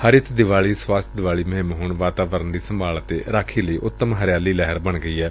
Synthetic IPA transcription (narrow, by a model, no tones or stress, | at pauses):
həɾɪt̪ʰd̪ɪʋaːɭiːswaːst̪ʰd̪ɪʋaːɭiːməɦɪ̃mɦoːnʋaːt̪aːʋəɾənd̪iːsəmbaːlət̪ḛːɾaːkʰiːləiːʔʊt̪ːəmɦəɾɪjaːliːlɛɦəɾbəɳɡəiːɛː